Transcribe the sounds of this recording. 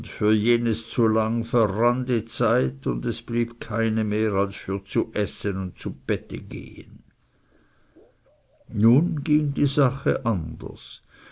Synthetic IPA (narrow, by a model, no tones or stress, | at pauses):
ntfyːɐjeːnəst͡sulaŋfɛʁandət͡saɪtʊndɛsb̥liːb̥kʰaɪnəmeːʁalsfyːɐt͡suʔɛsənʊnt̚t͡sub̥ɛtəɡḛːə̰n | nuːnɡiːŋdiːzaχə̰ʔandə̰s